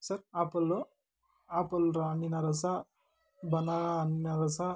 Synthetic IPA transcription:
sɐɾapɐlːu | apɐlɾaninɐɾɐsa | bɐnaːninaɾɐsa

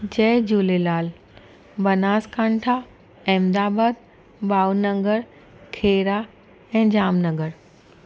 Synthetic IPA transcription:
d͡ʑɛːd͡ʑuːlelaːl | bɐnaːskãːɳʈʰa | ɛ̃ːmd̪aːbaːd̪̚ | baːwnɐ̃ŋɡəɾ | kʰeːɾa | ɛ̃ːd͡ʑaːmnɐɡəɾ

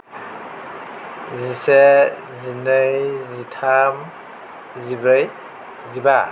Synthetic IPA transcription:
zise | zinɯjzitʰam | zibɾɯj | ziba

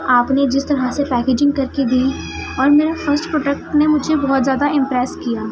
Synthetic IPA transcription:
aːpned͡ʒɪst̪ɐɾasepɛːkeːd͡ʒɪ̃ŋɡkɐɾked̪ʱi | ɔːɾmeːɾafʰɐɾsʈpɾoːʈek̚ʈnemʊd͡ʒʱebɔɦt̪zjaːd̪aɪ̃mpɾɛːskijaː

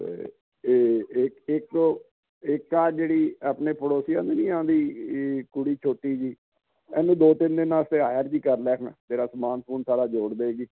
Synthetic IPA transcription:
ḛ | eːɪkɪk̚t̪oː | ɪkːaːɾd͡ʒeːɽiːaːpneːpʰəɽoːsɪjãːd̪eːnĩːãːd̪iːkʊɽiːt͡ʃʰoːʈiːd͡ʒiː | ɛ̰ːnũːd̪oːt̪ɪnd̪eːnaːst̪eːɦaːjəɾd͡ʒiːkəɾlɛːkʰna̰ːd͡ʒ̪eːɾaːsəmaːnpʰuːnsaːɾaːd͡ʒoːɽd̪eeːɡiː

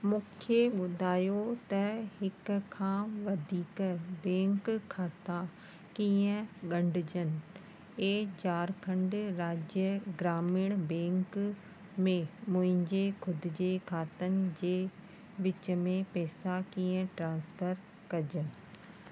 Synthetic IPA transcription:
mũːkʰeɓʊd̪ʱaːjot̪ɐhɪkkʰãːʋɐd̪ʱiːkəbɛ̃ːŋkkʰaːt̪a | kiːə̃ɠɐ̃ɳɖʱɪd͡ʑənɪ̆ | eːt͡ɕaːɾkʰɐ̃ɳɖɾaːd͡ʑjəɡɾaːmɪɽ̃bɛ̃ːŋk | mẽmʊ̃ɦɪ̃ɲd͡ʑekʰʊd̪ʱɪd͡ʑekʰaːt̪ənɪ̆d͡ʑeː | ʋɪt͡ɕə̆mẽpɛːsakiːə̃ʈɾãːnspəɾ | kɐd͡ʑənɪ

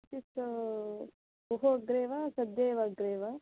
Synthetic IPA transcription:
t͡ʃis | uɦoɡɾeːʋasɐd̪eːʋɐɡɾeːʋa

